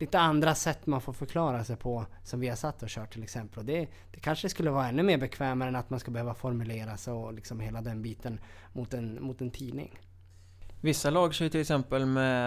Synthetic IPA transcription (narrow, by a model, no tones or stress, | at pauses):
liːt̪əand̪ɾasɛt̪ːmanfoːɾfœɾkʰlɑːɾasɛjpʰɔsɔmvɪhaʂat̪ːɔɕœːʈ̚ʰːɪlɛksɛmpəlɔd̪ɛ | d̪̥ɛkʰanʂəɛskɵlːəvɑːɾaɛnːɵmeːɾbɛkʰvɛːmaɾəɛnat̪manskabɛhøːvafɔɾmɵleːɾasɔlɪksɔmheːlad̪ɛnbiːt̪ʰən | mʊt̪ɛnmʊt̪ɛnt̪ʰiːd̪nɪ̰ŋ | vɪsːalɑːɡəʂɛjt̪ʰɪlɛksɛmpəlmɛ